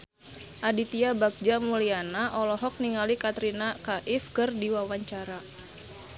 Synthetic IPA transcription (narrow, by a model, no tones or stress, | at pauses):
ʔadit̪iabak̚d͡ʒamulianaʔɔlɔɦɔk̚niŋalikat̪ɾinakaʔifkɨrdiwawaɲt͡ʃaɾa